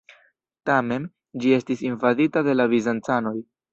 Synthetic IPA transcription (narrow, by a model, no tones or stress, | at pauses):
tame̞n | d͡ʒie̞stisinvaditade̞lavizant͡sano̞j